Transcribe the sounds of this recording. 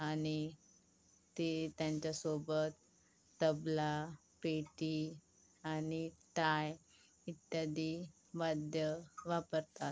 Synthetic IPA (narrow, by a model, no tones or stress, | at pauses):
aɽ̃i | t̪et̪jaɲt͡ɕasobət̪ː | əbla | peʈi | anit̪aj | it̪ːjad̪i | bad̪jəʋapəɾt̪at̪